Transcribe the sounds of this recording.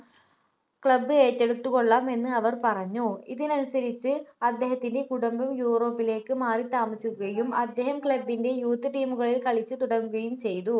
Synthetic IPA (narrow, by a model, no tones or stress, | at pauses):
kɭɐbːɨeːtːeɽut̪ːukoɭːaːme̞nːɨɐʋɐrpɐrɐɲːuiðinɐnusɐɾit͡ɕːɨɐd̪ːe̞ːɦɐt̪ːinde̞kuɽɐmbɐmjuːro̞ːpːile̞ːkːɨmaːrit̪aːmɐsikuɣɐjumɐd̪ːeːɦɐmkɭɐbːinde̞juːt̪ːɨʈiːmuɣɐɭilkɐɭit͡ɕːɨt̪uɽɐŋːɯɣɐjumt͡ɕejðu